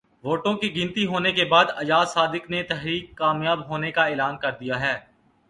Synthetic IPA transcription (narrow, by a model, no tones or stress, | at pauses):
ʋoːʈõkiɡɪnt̪iɦoːnekebaːd̪ɐjaːsaːd̪ɪknet̪ɛɦɾiːkːaːmjaːbɦoːnekaeːlaːnkɐɾd̪ijaɦɛː